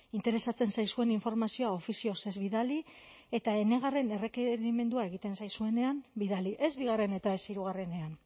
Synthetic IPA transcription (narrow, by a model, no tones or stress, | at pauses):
int̪e̞ɾe̞sat͡se̞nsajsue̞niɱfo̞ɾmasio̞ao̞fisio̞se̞zβiðalie̞t̪ae̞ne̞ɣare̞ne̞re̞keɾime̞nd̪uae̞ɣ̞it̪e̞nsajsue̞ne̞ambiðaliʔe̞zβiɣ̞are̞ne̞t̪ae̞siɾuɣ̞are̞ne̞an